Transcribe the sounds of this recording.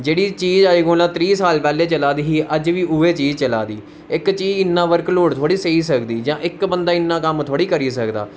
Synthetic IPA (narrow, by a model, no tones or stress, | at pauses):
d͡ʒeːɽiːt͡ʃiːd͡ʒaːiːɡoːlãːt̪ɾiːsaːlpɛːleːt͡ʃəlaːd̪iːɦiːʔəd͡ʒʋiːʔʊeːt͡ʃiːd͡ʒt͡ʃəla̰ːd̪iː | ɪkt͡ʃiːd͡ʒɪnːãːʋəɾkloːɽt̪ʰoːɽiːseiːsəkd̪iːd͡ʒãːʔɪkbənd̪aːɪnːãːkəmt̪ʰoaːɽiːkəɾiːsəkd̪a̰ː